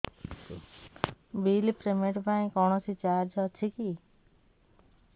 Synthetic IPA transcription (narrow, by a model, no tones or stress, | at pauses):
bilpɾemeʈpaĩkɔɳ̃ɔsit͡ʃaɾd͡ʒɔt͡ʃʰiki